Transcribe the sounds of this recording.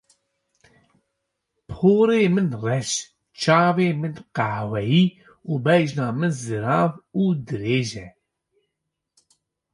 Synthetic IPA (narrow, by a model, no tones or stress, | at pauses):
pʰoːɾeːmɨnrɛʃ | t͡ʃʰɑːveːmɨnqahwɛjiː | uːbɛjʒnɑːmɨnzɨɾɑːvuːd̪ɨɾeːʒɛ